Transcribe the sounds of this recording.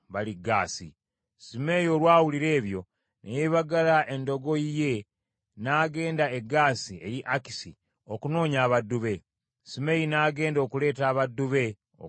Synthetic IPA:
βaliɡːaːsḭ | sime̞jo̞lwaːwuliɾe̞ːβjo̞ | nʔejeβaɡalaʔe̞ndo̞ɡo̞ije̞ | naːɡe̞ːndae̞ɡːaːsie̞ɾiʔaki̥sḭ | okuno̞ːɲaːβadːuβe̞ | sime̞jinaːɡe̞ːndo̞ːkule̞ːtaːβadːuβe̞ | o̰

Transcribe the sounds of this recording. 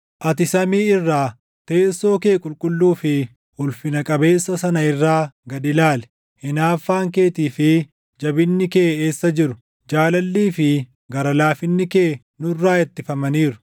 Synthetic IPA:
ʔɐt̪ɪsɐmiːɪrːaː | t̪eːso̞ːke̞ːkʼʊlkʼʊlːuːfɪ | hʊlfɪnɐkʼɐbe̞ːsːɐsɐnɐɪrːaːɡɐd̪ɪlaːlɛ̥ | hɪnaːfːaːŋke̞ːt̪iːfɪ | d͡ʒɐbɪnːɪkeːeːsːɐd͡ʒɪɾʊ | d͡ʒaːlɐlːiːfɪ | ɡɐɾɐlaːfɪnːɪkeː | nʊrːaːjɛt̪ːɪfɐmɐniːɾʊ̥

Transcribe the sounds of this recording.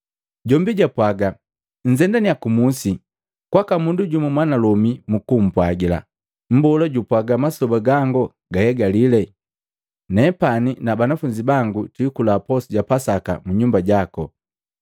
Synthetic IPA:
ɟɔmbiɟapwaɡa | ɲ̩d͡ʒɛndaniakumusi | kwakamunduɟumumwanalɔmimukum̩pwaɡila̰ | m̩bɔlaɟupwaɡamasɔbaɡaŋɡɔ | ɡahɛɡalilɛ | nɛpaninabanafuɲd͡ʒibaŋɡutikulapɔsiɟapasaka̰muɲumbaɟakɔ

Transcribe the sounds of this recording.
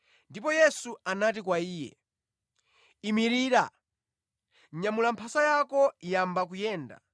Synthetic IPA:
ndipɔjɛsuanat̬ikwaiːjɛ̰ | imiɾiːɾa | ɲamulampʰasajakɔjambak̬ujɛːnda̰

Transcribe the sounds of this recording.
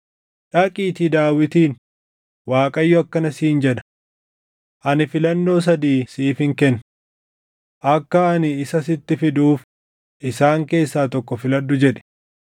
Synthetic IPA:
ᶑɐkʼiːt̪id̪aːwɪt̪iːn | waːkʼɐjːɔɐkːɐnɐsiːnd͡ʒɛᶑɐ̥ | ʔɐnɪfɪlɐnːo̞ːs̬ɐd̪iːsiːfɪŋkɛn | ʔɐkːɐːnɪːsɐsɪt̪ːɪfɪd̪uːf | ʔɪsaːŋke̞ːsːaːt̪ɔkːɔfɪlɐd̪ːʊd͡ʒɛᶑɛ̥

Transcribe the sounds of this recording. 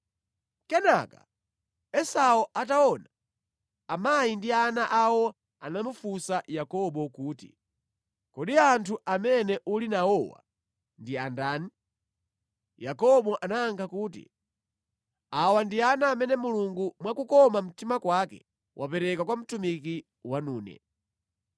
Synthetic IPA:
kɛnaka̰ | ɛsaɔʔataɔna | amajindianaʔawɔ | anamufusajakɔɓɔkuːtḭ | kɔɗiantʰuʔamɛnɛʔulinaɔwa̰ | ndiandaːni | jakɔɓɔʔanaːŋkʰakuːtḭ | awandianaːmɛnɛmuluŋɡumwakukɔmam̩timakwakɛ̰ | wʔapɛɾɛkakwam̩tumiki | wanuːnɛ̰

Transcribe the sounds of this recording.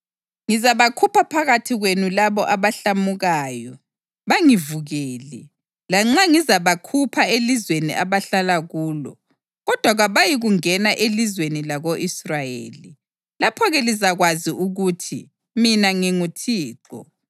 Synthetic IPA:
ŋizaβakʰupʰapʰaɣatʰiɣwenulaβɔʔaβaɬamuɣaːjɔ | βaŋivuɣeːli | laŋ͡ǁaŋizaβakʰupʰaelizwenḭʔaβaɬalaɣuːlɔ̰ | ɣɔd̥ʱwaɣaβajiɣuŋɛnaʔelizwenilaɣoʔisrajḛːli | lapʰɔɣɛlizaɣwaziʔuɣutʰḭ | minaŋiŋutʰiːǁɔ̰

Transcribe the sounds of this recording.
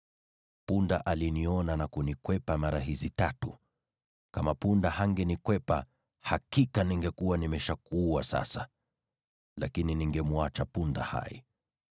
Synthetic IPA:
punda̰ʔaliniɔnanakunikwɛpamaɾaɦizitatu | kamapundahaŋɡɛnikwɛpa̰ | hakikaniŋɡɛkuwanimɛʃakuwasa̰sa | lakininiŋɡɛmuat͡ʃapunda̰ha̰ḭ

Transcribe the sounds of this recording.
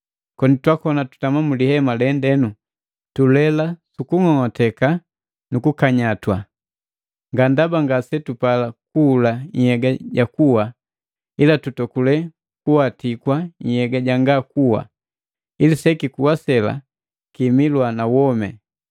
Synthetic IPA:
kɔnitwakɔnatu̥tamamulihɛmalɛndɛnu | tulɛlasukuŋɔŋɔtɛka | nukukaɲatwa | ŋɡandabaŋɡasɛtupalakuːlaɲ̩hɛɡaɟakuwa | ilatutɔkulɛ | kuwatikwaɲ̩hɛɡaɟaŋɡakuwa̰ | ilisɛkikuwasɛla̰ | kimilwanawɔmɛ

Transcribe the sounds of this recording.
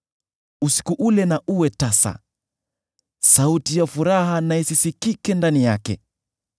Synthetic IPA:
usi̥kuʔulɛnaʔuwɛtasa̰ | sautijafuɾaɦanaɛsisikikɛndanijakɛ̰

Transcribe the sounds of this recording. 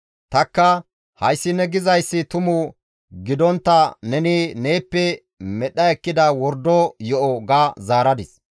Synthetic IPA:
t̪ɐkːɐ | hɐjsːɪnːɛɡɪzɐjsːɪt̪ʊmʊ | ɡɪd̪ɔnt̪ːɐnɛnɪneːpːɛ | mɛɗːɐɛkːɪd̪ɐwɔɾd̪ɔjɔʔɔɡazaːɾɐd̪ɪs

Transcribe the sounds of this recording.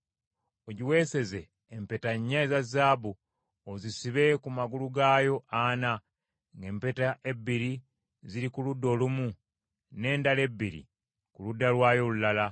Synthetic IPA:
oɟiwe̞se̞ze̞ː | mpetaɲːaizazːaːbu | ozisiβe̞kumaɡuluɡajo̞ʔana | ŋɡe̞ːmpetaʔe̞bːiɾi | ziɾikuludːo̞lumu | ne̞ːndale̞bːiɾḭ | kuludːalwaːjo̞lulala

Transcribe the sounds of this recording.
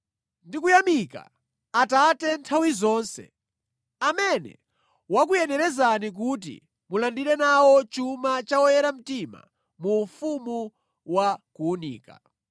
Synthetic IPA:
ndikujamika̰ | atatɛntʰawizɔːnsɛ̰ | amɛnɛ̰ | wak̬ujɛnɛɾɛzanik̬ut̬ḭ | mulandiɾɛnawɔt͡ʃumat͡ʃawɔjɛɾam̩tima̰ | mufumu | wakuːnḭːka̰

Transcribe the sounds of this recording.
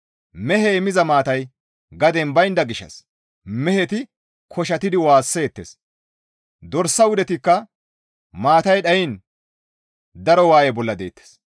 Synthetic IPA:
mɛhɛmɪzɐmaːt̪ɐj | ɡɐd̪ɛnbɐjɪnd̪ɐɡɪʃːɐ̰s | mɛhɛt̪ɪ | kʰɔʃ̬ɐt̪ɪd̪ɪwaːsːe̞ːt̪ːes | d̪ɔɾsːɐwʊd̪ɛt̪ɪkːɐ | maːt̪ɐjɗɐjɪn | d̪ɐɾɔwaːjɛbɔlːɐd̪e̞̰ːt̪ːe̥s

